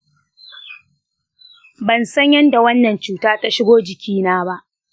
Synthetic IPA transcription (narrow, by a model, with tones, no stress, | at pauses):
bɐ˨nsɐ˦ɲjɐ˦nda˨wɐ˦nːɐ˨nt͡ʃuː˦taː˦ta˦ʃɪ˦ɡʷoː˦d͡ʒɪ˨kʲiː˦naː˦ba˦ʔ